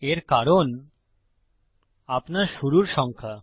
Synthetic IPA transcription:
eɾkaɾon | apnaɾʃuɾuɾʃɔŋkʰa

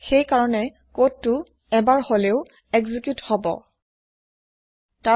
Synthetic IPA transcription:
xejkaɹɔnɛ | kotːʊ | ɛbaɹholeʊ | ɛɡzikjuthɔbɔ̰ | ta

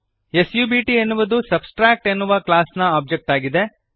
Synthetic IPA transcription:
esjuːbiːʈienːuʋɐd̪usɐbsʈɾaːk̚ʈenːuʋɐklaːsnɐaːb̚d͡ʒek̚ʈaːɡid̪e̞

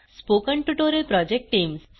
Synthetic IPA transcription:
spokəɳʈuʈoɾelpɾɔd͡ʒek̚ʈʈiːms

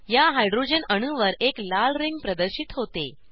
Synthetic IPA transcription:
jaɦajɖɾod͡ʑənəɽ̃uʋəɾeklalɾiŋɡ̚pɾəd̪əɾɕit̪ɦot̪ḛ

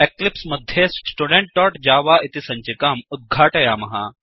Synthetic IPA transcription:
eklipsmɐd̪ʱjessʈuɽeɳʈ̚ɖɔːʈd͡ʑaːʋaːʔit̪isɐɲt͡ʃikaːmud̪̚ɡʱaːʈɐjaːmɐɦa

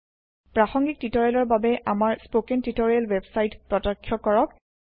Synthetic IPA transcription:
pɹaxɔŋɡik̚titɔɹɛlɔɹbabɛʔamaɹspokɛntitɔɹiɛlwɛbsajtpɹɔtɔkʰːjɔkɔɹɔk̚

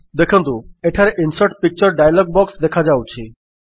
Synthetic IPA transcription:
d̪ekʰɔnt̪ueʈʰaɾeʔinsɔɾʈpik̚t͡ʃɔɾɖajalɔɡ̚bɔksd̪ekʰad͡ʒawt͡ʃʰi

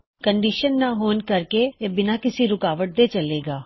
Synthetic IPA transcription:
kəɳɖiʃənːaɦoːnkɐɾkeebɪnakɪsiɾʊkaːʋəʈ̚d̪et͡ʃɐleːɡaː

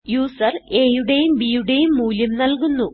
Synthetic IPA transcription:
juːsɐre̞ːjuɽe̞jumbiːjuɽejumːuːljɐmnɐlkunːu

